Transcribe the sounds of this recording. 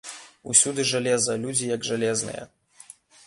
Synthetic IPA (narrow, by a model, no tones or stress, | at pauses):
usʲud̪ɨʐalʲɛzɐlʲud͡zʲijɐɡʐalʲɛznɨ̰jɛ̰